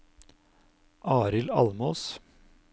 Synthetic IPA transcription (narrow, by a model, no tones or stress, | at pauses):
ʔɑːɾɪlɑlmoːs